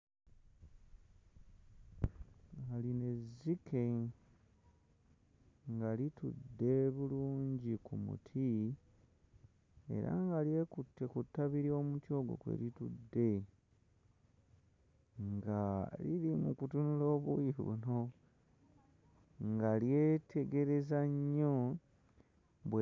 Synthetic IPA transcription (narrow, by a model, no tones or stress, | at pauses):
aline̞zikʰe̞ | ŋɡalitudːe̞βuluːɲɟikumṵtʰi | e̞̰ɾa̰ŋɡalje̞kutːekutːaβiɾio̞mutjo̞ːɡwo̰kwḛlitudːe̞ | ŋɡalilimukutunulo̞ːβujiβṵno̞ | ŋɡaljeːtʰe̞ɡe̞ɾe̞zaɲːo | βwe